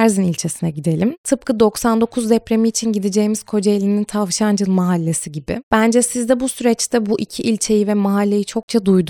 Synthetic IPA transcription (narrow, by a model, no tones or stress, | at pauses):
æɾzinilʲt͡ʃʰesinɛɟid̪e̞lʲimt̪ʰɯp̚kʰɯd̪o̞ksand̪o̞kʰuzd̪ɛpɾe̞miːt͡ʃʰinɟid̪ed͡ʒe̞jimiz̥kʰo̞d͡ʒelʲinint̪ʰavʃand͡ʒɯlˠmaɦalʲːe̞siɟibɪ̰b̥ænd͡ʒɛsizd̪ɛbusyɾɛt͡ʃt̪ʰɛbuʔicʰiʔilʲt͡ʃʰe̞jivɛmaɦalʲːe̞jit͡ʃʰo̞k̚t͡ʃʰad̪ujd̪